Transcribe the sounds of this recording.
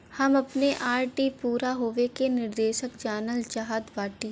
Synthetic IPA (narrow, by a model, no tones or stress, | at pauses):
hɐmɐpneʔaːɾʈipuːɾaɦoːʋekenɪɾd̪eːʃəkd͡ʒaːnəld͡ʒaɦaːd̪ʋaːʈi